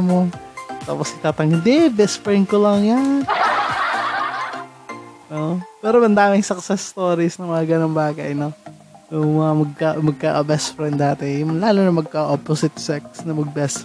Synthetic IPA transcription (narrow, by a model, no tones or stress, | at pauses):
mo | t̪a̰ːposʔɪt̪aːt̪ɐŋɪd̪ɛbɛspɾɛn̚kolɐŋjan | ʔoʔpɛːɾoʔɐnd̪aːmɪŋsɐk̚sɛst̪oːɾisnɐmɐŋaɡɐnoŋbaːkɐʔno | jʊŋmɐŋamɐɡ̚kɐmɐɡ̚kaʔɐbɛst̪fɾɛnd̪aːt̪ɛjʊŋlaːlonɐmɐɡ̚kɐʔoposɪt̪sɛksnɐmɐɡ̚bɛst̪